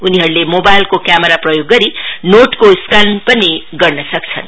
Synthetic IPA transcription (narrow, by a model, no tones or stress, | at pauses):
uniɦʌɾulemobajlkokjameɾaprʌjoɡːʌɾinoʈkoskanpʌniɡʌrnʌsʌk̚t͡sʰʌ̰n